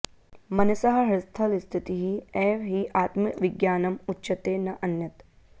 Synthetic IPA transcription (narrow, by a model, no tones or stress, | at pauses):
mɐnɐsɐɦɐ̆ɦɾɪst̪ʰɐlist̪ʰit̪iɦiɛːʋɦiʔaːt̪mikʋiɡjaːnɐmutːʃɐt̪eːnɐʔɐnːjɐt̪